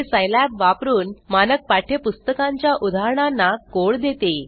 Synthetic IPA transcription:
esəjlæpʋapɾuːnmanək̚paʈʰepust̪əkãɲt͡ɕjaʔud̪ʱaɾɳ̃anːakoɭd̪et̪e

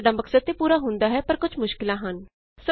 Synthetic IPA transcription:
ɖaːməksəd̪̚t̪eːpuːɾaːɦʊ̃nd̪aːɦɛːpəɾkʊt͡ʃʰmʊʃkɪlãːɦən | sə

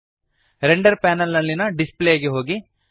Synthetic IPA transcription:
ɾeɳɖɐɾpaːnɐlnɐlːinɐɖispleɡeɦo̞ːɡi

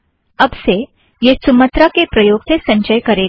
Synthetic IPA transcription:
ɐbse | jesʊmət̪ɾakepɾɐjoːɡsesɐ̃ɲʃəjkɐɾeː

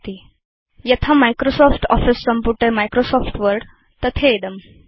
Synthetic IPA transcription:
t̪i | jət̪ʰamajkɾosɔfʈɔ̰fisːəmpuʈemajkɾosɔfʈʋəɾɖ | t̪ət̪ʰeːd̪əm

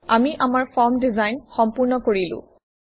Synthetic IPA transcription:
amiʔamaɹfɔɹmdizajnxɔmpuɹnɔkoɹilʊ̰̃

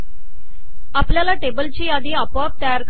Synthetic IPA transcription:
apljalaʈebəlt͡ɕiːad̪iːapwap̚t̪əjaɾk

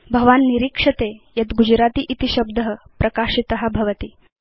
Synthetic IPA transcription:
bʱɐʋaːnːiɾikʂɐt̪ejɐt̪ɡud͡ʒɾaːt̪iːʔit̪iɕɐb̚d̪əɦəpɾɐkaːʂit̪ɐɦɐbʱɐʋɐt̪iː

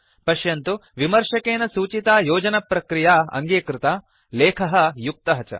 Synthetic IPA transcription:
pɐʃjɐnt̪uʋimɐɾʂɐkeːnɐsuːt͡ʃit̪aːjoːd͡ʒɐnɐpɾɐkɾijaːɐ̰ŋɡeːkɾɪt̪aː | leːkʰɐɦɐ̆juk̚t̪ɐɦɐt͡ʃɐ̰

